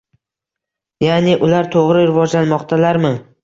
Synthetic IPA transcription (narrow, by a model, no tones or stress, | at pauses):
janɪʔʊlaɾt̪ʰoʁɾɪɾɪvɒd͡ʒlanmɒqt̪ʰalaɾmɪ